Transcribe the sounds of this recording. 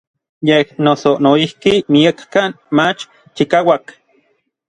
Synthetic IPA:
jehnosonoihkimiakːan | mat͡ʃ | t͡ʃikawak

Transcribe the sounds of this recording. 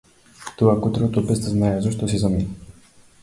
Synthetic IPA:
t̪ovakot̪ɾot̪obɛst̪əznaɛzaʃt̪ɔs̬izɐminə

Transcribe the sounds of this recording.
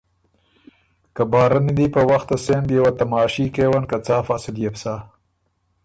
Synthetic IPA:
kabɑːɾanid̪ipəwaxt̪asend̪jawat̪amɑːʃikewankat͡sɑːfasɪd̪jepsɑː

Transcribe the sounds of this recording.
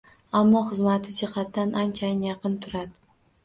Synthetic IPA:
amːɒχɨzmat̪ʰɪd͡ʒɪhɑt̪d̪anant͡ʃʰanjɑqɨnt̪ʰʊɾad̪ɪ

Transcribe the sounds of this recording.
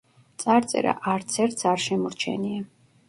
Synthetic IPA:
t̪sʼaɾt̪sʼɛ̰ɾa̰ʔaɾt̪sʰɛɾt̪saɾʃɛmɔɾt͡ʃʰɛ̰nia

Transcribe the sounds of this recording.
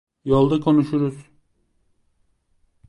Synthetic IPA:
jolˠd̪akʰo̞nuʃuɾuz̥

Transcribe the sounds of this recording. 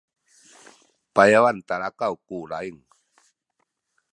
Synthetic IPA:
pajawant̪aɾakawkuɾaiŋ

